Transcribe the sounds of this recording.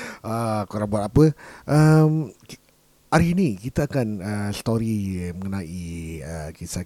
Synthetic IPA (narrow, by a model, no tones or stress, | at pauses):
əkoɾaŋbuat̪apəʔəm | aɾinikit̪aakanəsə̥t̪oɾiməŋənãʔiəkisa